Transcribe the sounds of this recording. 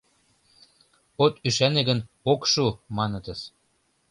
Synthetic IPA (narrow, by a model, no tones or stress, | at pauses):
ot̪yʃæneɣə̆n | okʃumɑnɤ̆t̪ə̆s